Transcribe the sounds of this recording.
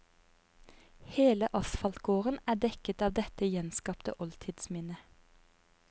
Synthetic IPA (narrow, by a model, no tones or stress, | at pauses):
heːləʔɑsfɑlt̪ɡ̥oːʁənæːdɛkət̪ɑːʋd̪ɛt̪əjɛnskɑːpt̪ə̰ʔɔlt̪ʰɪd̪smɪnə